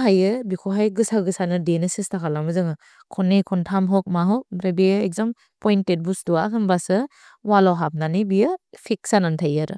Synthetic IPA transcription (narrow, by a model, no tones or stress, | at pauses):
ɦajɯbikʰoɦajɡɯsaɡɯsanɯdenɯsistʰakʰalamɯzɯŋɯ | kʰɔnːikʰɔntʰamɦɔk̚maɦɔk̚ɾebijɯek̚zɔm | pɔjntet̚bustuakʰɯnbasɯ | walawɦap̚nanibijɯpʰik̚sanantʰajaɾɯ